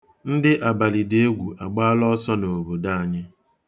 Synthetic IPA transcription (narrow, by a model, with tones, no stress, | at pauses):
n̩˦dɪ˦ʔa˨ba˨li˨de˦ɡʷu˨ʔa˨ɡ͡ba˦lɔ˦sɔ˦no˨bo˨da˦a˨ɲɪ˦